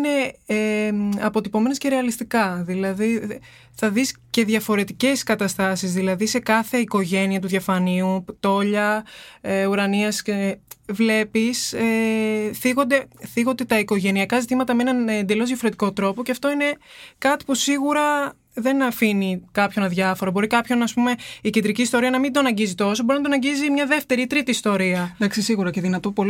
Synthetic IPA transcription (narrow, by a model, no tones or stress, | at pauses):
ne̞eɐpo̞t̪ipo̞me̞nesce̞ɾe̞ɐlist̪ikɐðilɐði | θɐðisce̞ðʝɐfo̞ɾe̞t̪ice̞skɐt̪ɐst̪ɐsizðilɐðise̞kɐθe̞iko̞ʝe̞niɐt̪̬uðʝɐfɐniut̪o̞ʎɐeuɾɐniɐscevle̞piseθiɣo̞nd̪e̞θiɣond̪e̞t̪ɐiko̞ʝe̞niɐkɐzit̪imɐt̪ɐmeenɐnend̪e̞lo̞zðjɐfoɾe̞t̪iko̞t̪ɾo̞po̞ceɐft̪o̞ine̞kɐt̪i̥pusiɣuɾɐ | ðe̞nɐfinikɐpço̞nɐðʝɐfo̞ɾɐbo̞ɾikɐpço̞nɐːspume̞icend̪ɾiciːst̪o̞ɾiɐnɐmind̪oɐnɐɲɟizit̪o̞so̞boɾinɐd̪onɐɲɟizimɲɐðe̞ft̪e̞ɾit̪ɾit̪iːst̪o̞ɾiɐd̪ɐksisiɣuɾɐceðinɐt̪opol